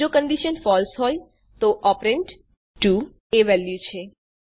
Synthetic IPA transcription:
d͡ʒokəɳɖiʃənfɔlsɦoj | t̪oʔɔpɾeɳʈ | ʈu | eʋɛljut͡ʃʰe

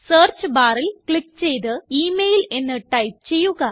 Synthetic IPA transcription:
seːrt͡ɕɨbaːrilkɭikːt͡ɕe̞jt̪̬ɨiːmejle̞nːɨʈɐjp̚t͡ɕe̞jːuɣɐ

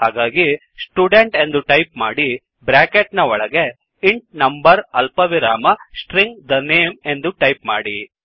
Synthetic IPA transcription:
haːɡaːɡi | sʈjuːɖeɳʈe̞nd̪uʈɐjpmaːɽi | bɾaːkeʈnɐɔɭɐɡe̞ | iɳʈ̚nɐmbɐɾɐlpɐʋiɾaːmɐsʈɾiŋɡd̪ɐneːme̞nd̪uʈɐjpma̰ːɽi

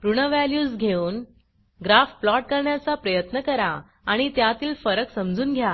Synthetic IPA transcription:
pɾuɳ̃əʋæljuːsɡʱeuːn | ɡɾafplɔʈ̚kəɾɳjat͡sapɾəjət̪nəkəɾa | aɽ̃it̪jat̪iːlfəɾəksəmd͡zuːnɡʱja

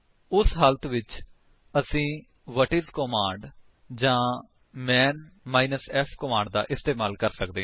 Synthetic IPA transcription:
ʊsɦəlt̪ʰʋɪt͡ʃ | əsĩː | ʋəʈɪzkoːmãːɳɖ | d͡ʒãː | mɛːnmaːiːnəsɛːpʰkomaːɳɖd̪a̰ːʔɪst̪eːmaːlkəɾsək̚d̪eː

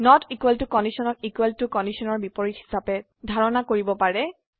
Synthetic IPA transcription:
nɔtikwɛltukɔndisɔnɔkikweltukɔndisɔnɔɹbipɔɹithi̥sapɛ | dʱaɹɔnakoɹibɔpaɹɛ

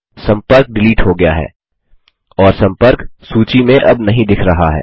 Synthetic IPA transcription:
sɐ̃mpəɾk̚ɖɪliːʈɦoɡɐja̰ɦɛ̰ː | ɔːɾsɐ̃mpəɾksuːt͡ʃimẽʔɐbnɐɦĩd̪ɪkʰɾɐɦaɦɛ̰ː

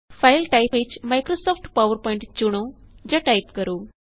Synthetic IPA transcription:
fajlʈajpet͡ʃmajkɾosɔːpʈpaʋəɾpɔɪ̃ɳʈt͡ʃuɽ̃od͡ʑɐʈajpkəɾoː

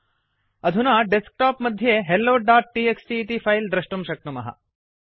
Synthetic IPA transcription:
ɐd̪ʱunaːɖesk̚ʈaːpmɐd̪ʱjeːɦelːoːɖaːʈ̚ːiːeksʈiːt̪ipʰɐjld̪ɾɐʂʈumʃɐk̚ʈ̪umɐ̰ɦɐ̰

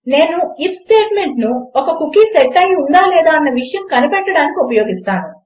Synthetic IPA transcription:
ne̞ːnuipsʈeːʈme̞ɳʈnuɔkɐkukisɛʈːɐjund̪aːlɛːd̪aːɐnːɐʋiʂɐjɐmkɐnipɛʈːɐɽaːnikiupɐjo̞ːɡist̪aːnu

